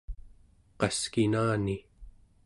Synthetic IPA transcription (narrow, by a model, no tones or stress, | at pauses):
qɑskinaːni